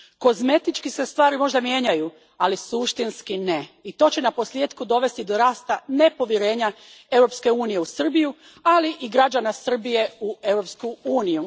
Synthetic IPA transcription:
ko̞zme̞t̪it͡ʃkise̞st̪ʋaːɾimo̞ʒd̪amje̞ːɲaju | alisuʃt̪inskine̞it̪o̞ːt͡ɕenapo̞sljeːd̪kud̪o̞ʋe̞st̪id̪o̞ɾaːst̪ane̞po̞ʋjeɾe̞ːɲae̞wɾo̞pske̞uːnije̞usr̩biju | aliʔiɡɾad͡ʑanasr̩bije̞ue̞wɾo̞pskuuːniju

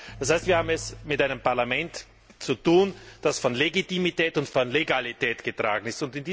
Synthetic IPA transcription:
d̥ashaɪstv̥iːɐhaːbm̩ɛsmɪtʔaɪnəmpaɐlamɛnt | t͡sutuːnd̥asfɔnleɡitimitɛːtʊntfɔnleɡalitɛːtɡ̥ətʁ̥a̰ːɡŋ̩ɪstʊntɪndiː

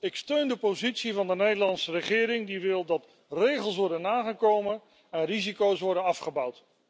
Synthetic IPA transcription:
ɪkstøɥndəpowzitsivɑndənejdəlɑntsərəχɪːɾɪŋdiʋɪlˠdɑt | rejχəlˠs̬ʋɔɹdənaːχəkowmən | ɛnrizikowsʋɔɹdənɑfχəbʌwt

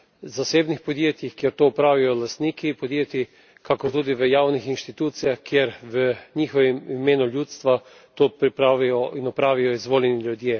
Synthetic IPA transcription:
zaseːbnixpɔd̪jeːt̪jixkjeɾt̪oːpɾaːʋijɔlast̪niːkipɔd̪jeːt̪i | kakɔɾt̪uːd̪iʋəjaːwnixinʃt̪it̪uːt̪sijaxkjeɾʋəɲixɔʋimimeːnuljuːt̪st̪ʋa | t̪oːpɾipɾaʋijɔinɔpɾaːʋijɔizʋoːlʲɛnilʲjud̪jeː

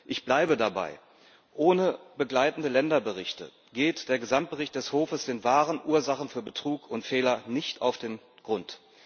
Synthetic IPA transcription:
ʔɪçb̥laɪbədaba̰ɪ | ʔoːnəbəɡlaɪtn̩dəlɛndɐbəʁɪçtə̰ | ɡ̥eːtd̥eːɐɡəzamt̚b̥əʁɪçt̚d̥ɛshoːfəsd̥eːnvaːʁənʔuːɐzaχn̩fyːɐbətʁ̥uːkʰʊntfɛːlɐnɪçta̰ʊfd̥eːn | ɡ̥ʁʊnt

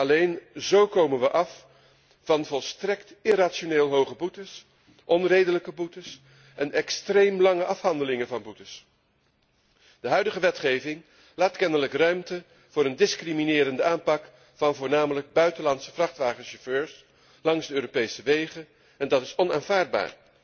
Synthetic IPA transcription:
ɑlejnzowkowmənʋəʔɑf | vɑnvɔlˠstrɛktɪraːtʃoneːlˠɦowχəbutəs | ʔɔnrejdələkəbutəs | ʔɛnɛkstrejmlɑŋəʔɑfɦɑndəlɪŋəvɑnbutəs | d̥əɦœɥdəχəʋɛtχejvɪŋ | laːtkɛnələkrœɥmtə | v̥ʊːɾəndɪskriminɪːɾəndəaːnpɑk | fɑnvʊːɹnaːmələɡ̚bœɥtəlɑntsəvrɑχtʋaːχənʃɔføːɹs | lɑŋzdəøːɾopejsəʋejχən | ɛndɑtɪsɔnaːnvaːɹd̚ba̰ːɹ

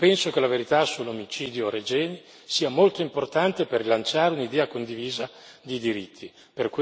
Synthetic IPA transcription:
pɛnsokelaveɾit̪asulːomit͡ʃiːd̪joɾed͡ʒɛːni | siːamolt̪oimport̪ant̪eperilant͡ʃaːɾeunid̪ɛːakond̪iviːza | d̪id̪iɾit̪ʰːi | perk

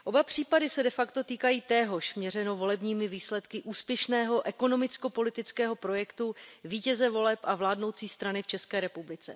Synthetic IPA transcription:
ʔo̞bapr̝̥iːpadɪsɛdɛfakt̪o̞t̪iːkajiːt̪ɛːɦo̞ʃmɲɛrɛno̞vo̞lɛbɲiːmɪviːslɛt̪kɪʔuːspjɛʃnɛːɦo̞ʔɛko̞no̞mɪt͡sko̞po̞lɪt̪ɪt͡skɛːɦo̞pɾo̞jɛkt̪uviːcɛzɛvo̞lɛpʔavlaːdno̞wt͡siːst̪ɾanɪft͡ʃɛskɛːɾɛpublɪt͡sɛ̰

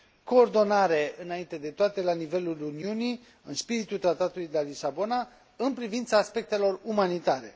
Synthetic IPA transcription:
ko̞ːrd̪o̞naɾe̞ɨnaint̪e̞d̪e̞t̪oat̪e̞lanive̞luluniuni | ɨnspiɾit̪ult̪ɾat̪at̪ulujd̪elalisabo̞na | ɨnpɾivint̪saːspe̞k̚t̪e̞lo̞rumanit̪aɾe̞̰

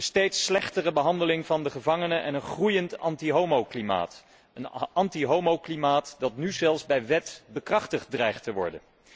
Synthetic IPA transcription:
ənstejtslɛχtərəbəɦɑndəlɪŋvɑndəχəvɑŋənəʔɛnənχrujəntɑntiɦowmowklima̰ːt | ənɑntiɦowmoklimaːtdɑtnyzɛlˠzbɛjʋɛtbəkrɑχtəχt̚drɛjχtəʋɔ̰ɹdə̰n

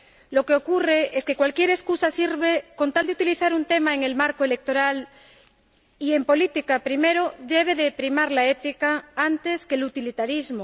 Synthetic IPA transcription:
lo̞ke̞o̞kure̞ʔeske̞kwalkje̞ɾe̞skusasiɾβe̞ko̞nt̪ald̪eut̪iliθaɾunt̪e̞maeŋe̞lmaɾkoe̞le̞k̚t̪o̞ɾal | ie̞mpo̞lit̪ikapɾime̞ɾoðe̞β̞e̞ðepɾimaɾlaet̪ikaant̪e̞skelut̪ilit̪aɾizmo

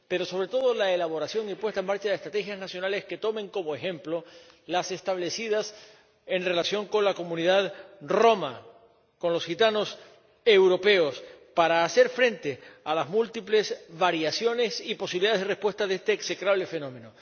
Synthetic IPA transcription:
pe̞ɾo̞so̞βɾe̞t̪o̞ðo̞laelaβo̞ɾasjo̞ŋipwest̪aemaɾt͡ʃaðest̪ɾat̪e̞xjaznasjo̞nale̞ske̞t̪o̞mẽ̞ŋko̞moe̞xẽ̞mplo̞lase̞st̪aβle̞siðas | e̞nre̞lasjo̞ŋko̞nlako̞mũniðaðro̞ma | ko̞nlo̞sxit̪ano̞s | ewɾo̞pe̞o̞spaɾaːse̞ɾfɾe̞nt̪e̞alazmult̪iple̞sβaɾjasjo̞ne̞sipo̞siβiliðaðeðre̞spwe̞st̪aðest̪eːkse̞kɾaβle̞fe̞nõ̞mẽ̞no

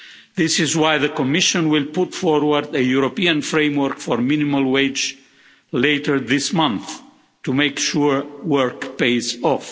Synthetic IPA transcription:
ðɪsɪzwajðəkɔmɪʃɔ̃nwɪlputfɔɹwəɾd̪əjuɾopiãnfɹẽɪmwəɹkfɔɹminimalˠweɪd͡ʒ | leɪtə˞ðɪsmʌ̃nθ | tumekʃuɹwɜɹkpeɪsɔf

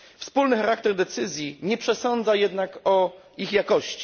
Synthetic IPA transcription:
fspulnɘxaɾak̚t̪ɛɾd̪ɛt̪sɘzʲjiɲɛpʂɛsɔnd̪zajɛd̪nakɔ | ixjakɔɕt͡ɕi̥

